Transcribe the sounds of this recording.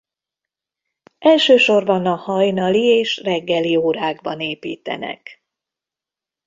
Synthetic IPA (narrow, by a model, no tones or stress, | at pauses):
ʔɛlʃøːʃo̞rbɒnɒhɒjnɒlieːʃrɛɡːɛlioːɾaːɡbɒneːpḭːt̪ɛ̰nɛ̰k